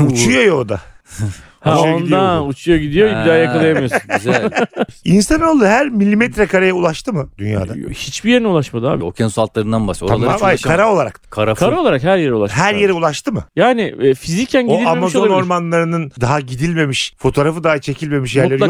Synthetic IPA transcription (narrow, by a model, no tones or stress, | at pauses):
ut͡ʃʰujojoːd̪a | ht͡ʃjoind̪iaut͡ʃʰujoɟid̪ijoibid̪aajakʰalˠajamijoz | insano̞lˠuɦæɾmilʲːimɛt̪ɾɛkʰaɾajaulˠaʃt̪ʰɯmɯd̪̥ynja̰ːd̪ahit͡ʃbijeɾnɛulˠaʃmad̪ɯa̰ːbo̰cʰɛnsualˠt̪lˠaɾɯnd̪anbasoaaakʰaɾao̞lˠaɾa̰k̪kʰaɾakʰaɾaolˠaɾakhæɾjeɾɛulˠaʃhɦæɾjeɾɛulˠaʃt̪ʰɯmɯjaːnɪɛfizicʰænɟod̪iamazo̞no̞ɾmanlˠaɾɯnɯnd̪aɦaɟid̪ilʲme̞miʃfo̞t̪ʰo̞ːɾafɯd̪aɦat͡ʃʰe̞cʰilʲme̞miʃjæɾlʲeɾij